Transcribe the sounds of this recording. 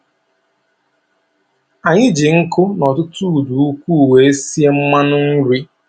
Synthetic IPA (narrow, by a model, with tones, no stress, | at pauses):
a˨ɲɪ˦d͡ʒɪ˨ŋ̩˦kʊ˦nɔ˨tʊ˦tʊ˦˨du˨u˦kʷu˦˨we˨e˦si˦e˦m̩˦ma˦nʊ˦n̩˦ɾi˦